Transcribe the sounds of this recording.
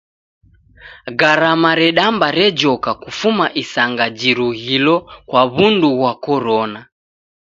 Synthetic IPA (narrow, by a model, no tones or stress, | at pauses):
ɡaɾamaɾɛɗambaɾɛd͡ʒɔkakufumaʔisaŋɡad͡ʒiɾuhilɔkwaβunduɣwakɔɾɔna